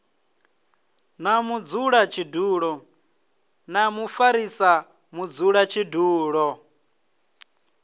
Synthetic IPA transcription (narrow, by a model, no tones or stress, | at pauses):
namud͡zuɺat͡ʃʰiduːɺɔ | namufaɾisa | mud͡zuɺat͡ʃʰiduːɺɔ